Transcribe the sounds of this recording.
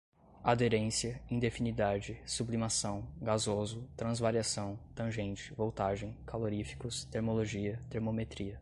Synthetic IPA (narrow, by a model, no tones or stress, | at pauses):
ad̪eɾẽsiɐĩd̪efinid̪ad͡ʒɪsublimasɐ̃w̃ɡazozʊt̪ɾɐ̃zvaɾiasɐ̃w̃t̪ɐ̃ʒẽnt͡ʃɪ̥vowt̪aʒẽj̃kaloɾifi̥kʊst̪eɾmoloʒiɐt̪eɾmomet̪ɾiɐ